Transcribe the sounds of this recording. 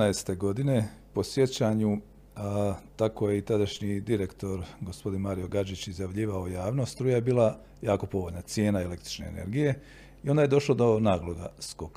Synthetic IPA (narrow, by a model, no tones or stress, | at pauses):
aest̪e̞ɡo̞d̪ine̞po̞sje̞t͡ɕaɲu | t̪ako̞je̞it̪ad̪aʃɲid̪iɾe̞kt̪o̞ɾɡo̞spo̞d̪inmaːɾijo̞ɡad͡ʒit͡ɕizjaʋʎiːʋaojaːʋno̞ːst̪ɾuːjajebiːlˠa | jaːko̞po̞ʋoʎnat̪sje̞ːnaele̞kt̪ɾi̥t͡ʃne̞̰ːnḛɾɡije̞ | io̞nd̪aje̞d̪o̞ʃlˠod̪o̞naːɡlˠoɡa̰skok